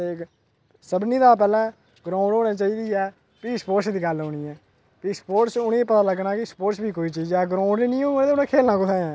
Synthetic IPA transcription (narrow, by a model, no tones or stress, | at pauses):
e | səbniːd̪aːp̬ɛːlɛ̃ː | ɡɾãːʊ̃ɳɖɦoːɽẽːt͡ʃaːiːd̪iːɛː | piːspoːɾʈsd̪iːɡəlɦoːɽ̃iːɛː | piːspoːʈsʊnĩːpət̪aːləɡnaːkɪspoːʈsbʱiːkoːiːt͡ʃiːzɛːɡɾaːʊ̃ɳɖniːnĩːɦoːeːt̪eʊnẽːkʰeːlnãːkʊt̪ãːɛ̃ː